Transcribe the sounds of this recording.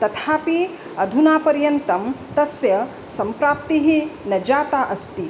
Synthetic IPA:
t̪ɐt̪ʰaːpi | ɐd̪ʱunaːpɐɾjɐnt̪ɐmt̪ɐsjɐ | sɐmpɾaːp̚t̪iɦinɐd͡ʒaːt̪aːʔɐst̪i

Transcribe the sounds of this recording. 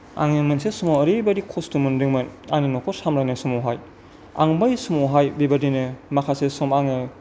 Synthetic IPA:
a̰ŋimɯnsesumoɐɾibɐdikʰostumɯndɯŋmɯnaninokʰosamɾajnɐsumuɦaj | a̰ŋbajsumuɦajbibadinɯmakʰasesɔmaŋɯ

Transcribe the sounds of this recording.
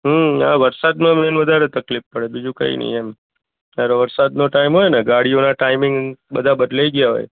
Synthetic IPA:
ɦəa̰ʋəɾsad̪mãmenʋəd̪ʱaɾet̪əklifpəɽebid͡ʒũkə̰ḭnə̰ɦiem | t̪aɾoʋəɾsad̪noʈaimɦojneɡaɽionaʈaimɪŋɡbəd̪ʱabəd̪laiɡjaɦo̰j

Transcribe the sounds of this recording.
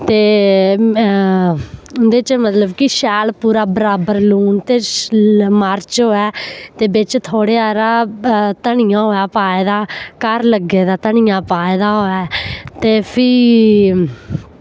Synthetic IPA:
t̪eː | ʊnd̪eːt͡ʃmət̪ləbkɪʃɛːlpuːɾaːbəɾaːbəɾluːnt̪eː | maːɾt͡ʃɦoːɛːt̪eːbɪt͡ʃt̪ʰoːɽeːaːɾaːt̪əɳɪjãːɦoːjaːpaːeːd̪aːkəɾləɡeːd̪aːt̪əɳɪjãːpaːeːd̪aːɦoːɛːt̪eːpʰiː

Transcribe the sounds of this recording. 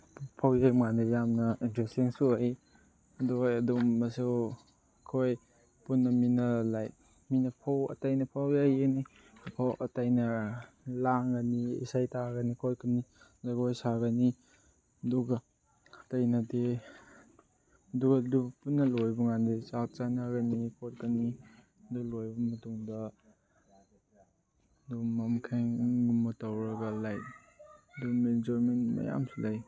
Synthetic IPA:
pʰawjajmŋandijamnɐintɾestiŋsuhi | ɐduɐdumːɐsu | kʰoj | punːɐminɐlaj | minɐpʰawɐ̰tajnɐpʰawjajni | pʰawʔɐtajnɐ | laŋɡɐniḭsajtaɡɐnikʰojkʰumnizaɡojsaɡɐni | ɐduɡɐ | tajnade | ɐduɡɐdubpunːɐlojbuŋandisak̚t͡ʃanaɡɐnikʰot̚kani | duɡlojbɐmɐtuŋdɐ | dumamkʰajŋɡumɐtawɾɐɡɐlaj | dumed͡ʒɔɾmenma̰ja̰msulaj

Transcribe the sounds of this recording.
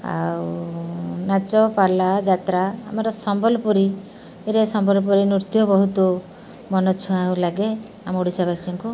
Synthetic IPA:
a̰w | nat͡ʃɔpalad͡ʒat̪ɾaːmɔɾɔsɔmbɔlɔpuɾi | eɾesɔmbɔlɔp̬ɔɾinuɾt̪jɔbɔɦut̪ɔ | mɔnɔt͡ʃʰuawlaɡe | amoɽisabasiŋku

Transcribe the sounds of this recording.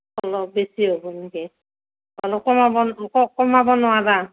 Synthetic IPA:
ɔlɔb̚besiɦobɔneɡi | ɔlɔkɔmabɔnkɔkɔmabɔnʊwada

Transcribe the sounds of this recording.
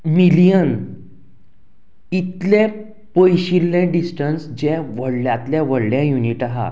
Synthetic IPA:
milijən | it̪lẽ | pəjɕilːẽɖisʈənsd͡ʑeʋəɽljat̪ljaʋəɽljãjuniʈaɦa̰

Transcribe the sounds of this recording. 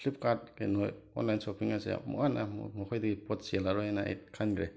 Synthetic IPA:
kʰlip̚kaɾtɡenoj | ɔ̰nlajnsopiŋasḛmɔ̰ŋana̰mɔkʰojdaɡipotsielaɾɔjajnaḛt̚kʰanɡɾḛ

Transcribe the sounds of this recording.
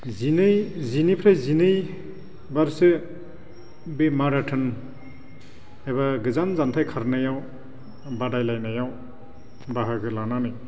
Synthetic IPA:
zinɯjzinipʰɾajzinɯj | baɾsɯ | bemaɾatʰɯn | eβaɡɯzanzantʰajkʰaɾnajaw | badajlajnajaw | baɦaɡɯlananɯj

